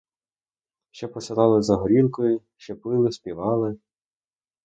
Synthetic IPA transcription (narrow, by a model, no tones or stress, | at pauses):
ʃt͡ʃɛpɔsʲɪlˠɑlˠɪzɐɦɔɾʲilˠkɔjʊ | ʃt͡ʃɛpɪlˠɪsʲpʲiʋɑlˠɪ